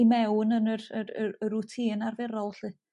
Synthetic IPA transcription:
imɛwnənərəəəɾutʰiːnarvɪrɔwɬi

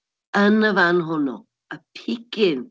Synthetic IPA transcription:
ənəvanɦʊnɔ̰ | əpʰikɪn

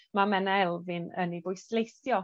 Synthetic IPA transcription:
mamɛnaɛlˠvɪnə̰nivʊjslˠejsjɔ

